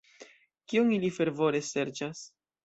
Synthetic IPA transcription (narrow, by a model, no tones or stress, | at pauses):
kionilife̞ɾvo̞ɾe̞se̞ɾt͡ʃas